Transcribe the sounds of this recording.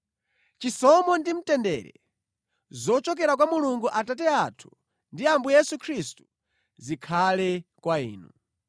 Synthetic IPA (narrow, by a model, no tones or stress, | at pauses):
t͡ʃisɔmɔndim̩tɛndɛ̰ɾɛ̰ | zɔt͡ʃɔk̬ɛɾakwamuluŋɡuʔatatɛatʰu̥ | ndiambujɛsukʰɾistu̥ | zikʰalɛkwaḭːnu